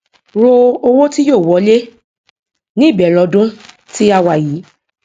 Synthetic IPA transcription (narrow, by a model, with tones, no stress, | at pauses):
ɾo˧o˧wo˦ti˦joː˦˨wɔ˨˧˦le˦ | nĩ˦i˦˨bɛ˨lɔ˧dũ˦ | ti˦a˧wa˨ji˨˦